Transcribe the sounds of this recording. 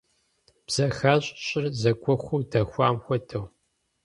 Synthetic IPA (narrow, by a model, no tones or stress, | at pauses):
b̥z̥ɐxaːɕʼɕʼɪrzɐɡʷʰʼɔxʷuːdɐxʷaːmxʷɔtʰɐw